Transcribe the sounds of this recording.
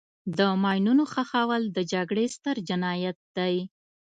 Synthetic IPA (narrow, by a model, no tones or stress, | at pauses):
d̪əmɑjnunoxaxɑwald̪əd͡ʒaɡɽest̪əɾd͡ʒɪnɑjat̪̚d̪aj